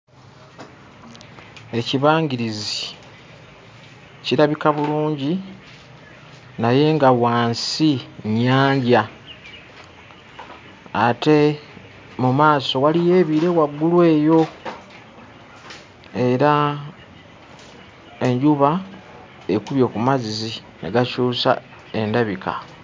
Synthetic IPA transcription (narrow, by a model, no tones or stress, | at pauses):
e̞ciβaːŋɡiɾizi | ciɾaβikaβuluːɲɟi | naje̞ŋɡawaːnsiɲaːɲɟa | te̞ | mumaːso̞walije̞ːβiːɾe̞waɡːulwe̞ːjo̞ | e̞ɾa | e̞ɲɟuβa | e̞kuβjo̞kumazizi | neɡat͡ʃuːsa̰ | e̞ndaβika̰